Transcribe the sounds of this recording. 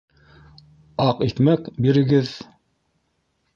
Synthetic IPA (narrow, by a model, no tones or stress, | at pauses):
ɑqit̪mækbiɾɘ̆ɡɘð